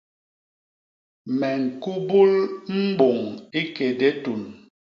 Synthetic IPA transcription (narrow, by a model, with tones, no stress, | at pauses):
mɛ˨ŋ̩˨ku˦bu˦lm̩˦ɡ͡bo˨ŋi˦ke˨de˦tu˨n